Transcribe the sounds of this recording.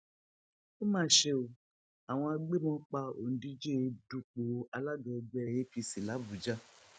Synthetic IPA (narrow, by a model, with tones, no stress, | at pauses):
o˦mãː˦ʃe˧o˨ | a˨w̃ɔ̃˧a˧ɡ͡be˦mɔ̃˦k͡pa˧o̰˨n̩˨di˦d͡ʒe˦˧du˨˧k͡po˨˧ʔa˧la˦ɡã˧ɡ͡bɛ˦˧˨je˦pi˧si˨la˨˦bu˨d͡ʒa˦